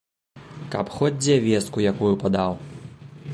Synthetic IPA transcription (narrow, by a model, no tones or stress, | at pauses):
ka̰pxɔd͡zʲɛvʲɛst̪̚kujakujupad̪aw